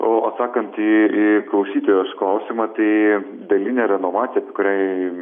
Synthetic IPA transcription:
oːsɑːkɐnt̪iiklˠɐʊsʲiːt̪oːjoːsklˠɐʊsʲiːmɐt̪ɐɪ | d̪ɐlʲɪnʲɛːɾʲɛnoːmɑːt̪ʲijɛɐpʲeɛkʊɾʲæː

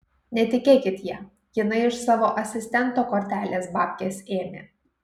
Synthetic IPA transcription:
nʲɛt̪ʲɪkʲeːkʲɪt̪jiɛ | jɪnɐɪɪʃsɑːʋoːʔɐsʲɪsʲt̪ʲɛnˑt̪oːkoːɾʲt̪ʲæːlʲeːsbɑːpʲkʲeːsʲeːmʲḛː

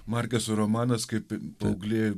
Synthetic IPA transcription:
mɑɾʲkʲɛsʊɾomɑːnɐskɐɪppɐʊɡlʲeː

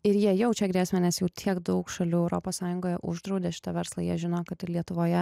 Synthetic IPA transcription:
ɪɾjiɛjɛʊt͡ʃʲɛɡɾʲiːsʲmʲɛnʲɛsjɛʊt̪ʲʰiɛɡd̪ɐʊkʃɐlʲuːɛʊɾo̰poːssɑːjʊŋɡoːjɛʔʊʒd̪ɾɐʊd̪ʲeːʃʲɪ̥t̪ɐʋʲɛɾslˠɐjiɛʒʲɪnoːkɐt̪ɪɾlʲiɛt̪ʊʋoːjɛ

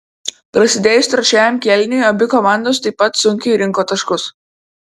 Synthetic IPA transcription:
pɾɐsʲɪd̪ʲeːjʊst̪ɾɐt͡ʃʲæːjʲoːmkʲɛlʲnʲʊjɐbʲɪkɔmɑˑnd̪oːs̬t̪ɐɪpːɐt̪sʊŋʲkʲʊiɾʲɪŋˑkoːt̪ɐʃkʊs

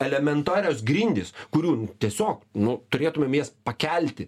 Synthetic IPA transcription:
ɛlʲɛmʲɛnt̪ɑːɾʲɪjoːsɡɾʲinʲd̪ʲɪskʊɾʲuːt̪ʲiɛsʲoːknʊt̪ʊɾʲeːt̪ʊmʲeːmjɛspɐkʲɛlʲt̪ʲɪ

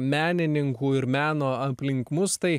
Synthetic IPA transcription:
mʲæːnʲɪnʲɪŋkuːɪɾmʲæːnoːɐpʲlʲɪŋkmʊst̪ɐɪ

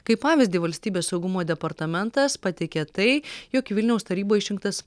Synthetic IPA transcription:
kɐɪppɑːʋʲɪzʲd̪ʲiːʋɐlʲsʲt̪ʲiːbʲeːssɒʊɡʊmoːd̪ʲɛpɐɾt̪ɐmʲɛnt̪ɐspɑt̪ʲɛɪkʲɛt̪ɐɪjoːkʋʲɪlʲnʲɛʊst̪ɐɾʲiːboːɪʃʲɪŋkt̪ɐs

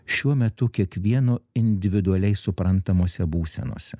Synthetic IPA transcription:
ʃʲuɔmʲɛt̪ʊkʲiɛkʋʲiɛnoːɪnʲd̪ʲɪʋʲɪd̪ʊɐlʲɛɪsʊpɾɐnt̪ɐmoːsʲɛbuːsʲɛ̰no̰ːsʲɛ

